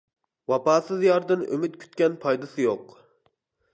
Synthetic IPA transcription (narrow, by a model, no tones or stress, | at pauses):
wɑpɑːsɨzjɑɾd̪ɨnʔø̰myt̪̚kʲʰy̥t̪̚kʲɛnpʰɑjd̪ɨsɨjoq